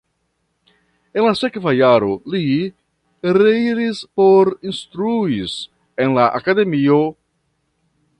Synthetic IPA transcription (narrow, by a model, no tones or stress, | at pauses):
e̞nlasekvajaɾoli | ɾeiɾispoɾinst̪ɾuis | enlaʔa̰kade̞mio